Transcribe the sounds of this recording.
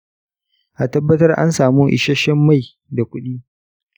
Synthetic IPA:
ʔa˨tɐ˦bːɐ˦tɐ˦rʔa̰˦nsaː˨muː˦ʔɪ̰˨ʃɐ˦ʃɐ˦mːa˦˨j | da˨kʷʊ˦ɗiː˦

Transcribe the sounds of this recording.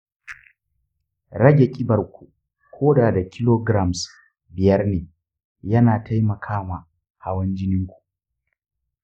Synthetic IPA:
ɾɐ˦ɡʲe˨kʲʼɪ˦bɐ˨rkʷu˨ | kʷʰoː˦daː˨da˨kʲʰɪ˦loː˦ɡɾa˨ms | bɪ˨jɐ˦rneː˨ | jɐ˦naː˨tʰa˦jmɐ˨kʰaː˦ma˨ | ha˦wɐ˦nd͡ʒɪ˦nɪ˦ŋkʷu̥˨ʔ

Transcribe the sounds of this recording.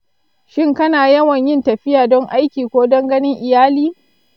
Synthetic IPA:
ʃɪ˦ŋkɐ˦naː˨jɐ˦wɐ˨ɲjɪ˦ntɐ˨ɸɪ˦jaː˨dɔ˦ŋʔa˦jkʲiː˨kʷoː˦dɔ˦ŋɡɐ˦nɪ˦ŋʔɪ˨jaː˦liː˦

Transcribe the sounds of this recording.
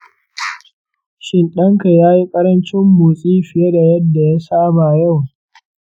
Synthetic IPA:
ʃɪ˨nɗɐ˦ŋka˨jaː˦ji˦kʼɐ˦ɾɐ˦nt͡ʃɪ˦mbuː˨sʼiː˦ɸɪ˨je˦da˨jɐ˦dːa˨ja˦saː˦ba˨ja˦˨w

